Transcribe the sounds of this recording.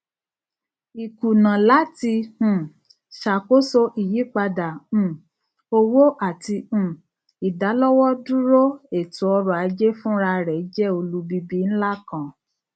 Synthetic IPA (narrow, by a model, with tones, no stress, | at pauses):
i˨ku˨nã˨la˨˦tĩ˧˨ | ʃa˨ko˦so˧ʔi˨ji˨˦k͡pa˧dã˨˦˨ | o˧wo˦ʔa˨tĩ˧˨ | i˨da˨˦lɔ˦wɔ˦dũ˦ɾo˦e˨tũ˨˦ɔ˧ɾɔ˨a˨˧˦d͡ʒe˦fũ˦ɾa˧ɾɛ˨˦d͡ʒɛ˦o˧lu˦bi˦bi˦n̩˦la˦kã˦˨